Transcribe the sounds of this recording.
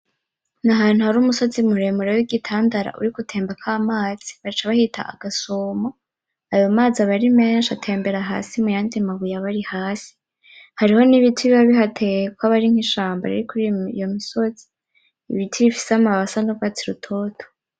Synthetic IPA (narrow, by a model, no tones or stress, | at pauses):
naɦaːn̥huhaɾuːmuso̞zimuɾe̞ːmuɾewiɡitʰaːndaɾa̰ʔṵɾikutʰe̞ːmbakʰaːmaːz̥i̥βat͡ʃaβahitʰa̰ʔa̰ɡ̥asoːmo | ajo̞maːziaβaɾimeːnʃatʰe̞ːmbe̞ɾaɦa̰ːsimujaːndimaβujaβaɾihaːsi̥ | haɾiho̞niβitʰwiβiβaβiɦatʰekwaβaɾiŋ̥hiʃaːmba̰ɾiɾikuɾijo̞miso̞z̥i̥ː | βitwiβifi̥seamaβasanowat͡siɾutʰo̞ːtʰo̥